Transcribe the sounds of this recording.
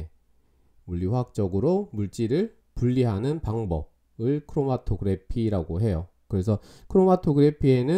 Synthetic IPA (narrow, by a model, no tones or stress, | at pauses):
muʎːiwak̚t͡ɕ͈ʌɡɯɾomuɭt͡ɕ͈iɾɯɭ | puʎːiɦanɯnpaŋbʌ̰b̚ | ɯɭkʰɯɾomatʰoɡɯɾe̞pʰiɾaɡoɦe̞jo | kɯɾe̞s̬ʰʌ | kʰɯɾomatʰoɡɯɾe̞pʰie̞nɯ